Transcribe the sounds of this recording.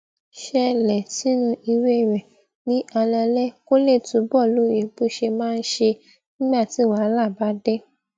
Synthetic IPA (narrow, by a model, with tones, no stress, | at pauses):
ʃɛ˧lɛ˨si˨˦nũ˧ʔi˧we˦˨ɾɛ˨ | nĩ˨˦ʔa˧lɛ˧lɛ˦ko˦le˦˨tũ˨˦bɔ˦˨lo˨˦˨je˨˦bu˦ʃe˧mãː˦˧n̩˦ʃe˧ | nĩ˦ɡ͡ba˦˨ti˨˦˨wa˨˦la˦˨ba˨˦dɛ˦